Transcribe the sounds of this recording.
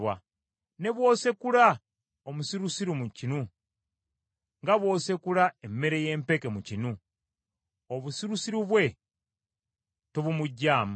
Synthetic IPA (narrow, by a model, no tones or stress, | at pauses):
wa | ne̞βwo̞ːse̞kula | omusiɾusiɾumucinu | ŋɡaβwo̞ːse̞kulaemːe̞ɾe̞je̞ːmpe̞kemucinu | oβusiɾusiɾuβwe̞ | toβumuɟːaːma